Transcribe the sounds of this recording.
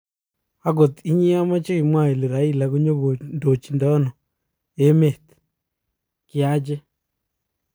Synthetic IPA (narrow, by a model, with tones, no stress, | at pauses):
a˦ɣo˨ti˦ɲi˦a˦ma˦t͡ʃe˦ɣi˨mwa˨i˨le˨ɾa˨˦i˦la˨ɣu˦ɲo˦ɣo˨ndo˨t͡ʃi˨ndɔ˦nɔ˨ | e˦me˨ti̥ | kja˦d͡ʒe˦